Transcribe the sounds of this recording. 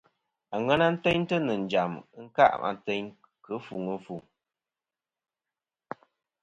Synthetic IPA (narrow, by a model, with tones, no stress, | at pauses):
a˨ŋɛ˦na˦n̩˦tɛ˦ɲ˦tə˦nɨ˨n̩˨d͡ʒa˨m˦ŋ̩˦ka̰˦˨ʔma̰˨tɛ˦ɲ | kɨ˦fu˨ŋə˦fu˨ŋ